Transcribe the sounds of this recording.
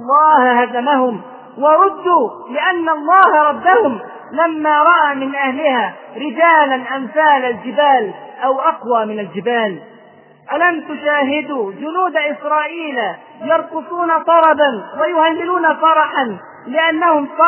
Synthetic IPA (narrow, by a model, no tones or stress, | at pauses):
lˤːɑːhhazamahʊm | wɑɾˤʊd̪ːuːlɪʔanːaɑlˤːɑːhaɾˤɑd̪ːahʊm | lamːaːɾˤɑʔaːmɪnʔahlɪhaːɾɪd͡ʒaːlanʔamθaːlald͡ʒɪbaːlʔawʔɑqwaːmɪnald͡ʒɪbaːl | ʔalamt̪ʊʃaːɦɪd̪uːd͡ʒʊnuːd̪aʔɪsɾˤɑːʔiːla | jɑɾˤqʊsˤuːnat̪ˤɑɾˤɑbanwajʊhalːɪluːnafɑɾˤɑħan | lɪʔanːahʊmsɑ